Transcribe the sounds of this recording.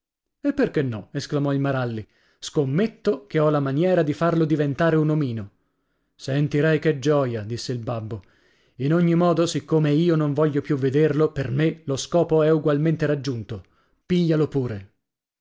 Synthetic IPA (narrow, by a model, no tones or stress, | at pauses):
epːerkenːɔesklamɔilmaɾalːi | skomːet̪ːok̟eɔlamanjɛːɾad̪ifarlod̪ivent̪aːɾeunomiːno | sent̪iɾɛjked͡ʒɔːjad̪isːeilbabːo | inoɲːimɔːd̪osikːomeiːonoɱvɔʎːopjuvːed̪erlopermeloskɔːpoɛuɡwalment̪eɾad͡ʒːunt̪o | piʎːalopuːɾe